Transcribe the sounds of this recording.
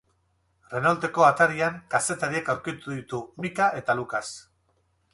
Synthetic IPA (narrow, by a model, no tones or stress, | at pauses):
re̞nalt̪e̞ko̞at̪aɾiaŋkase̞t̪aɾiekawɾkit̪uðit̪umikaʔe̞t̪alukas